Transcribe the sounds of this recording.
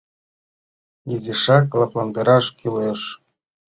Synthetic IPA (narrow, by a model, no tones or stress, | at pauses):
jezʲiʂɑklˠɑplˠɑnd̪ɤɾɑʃkyleʃ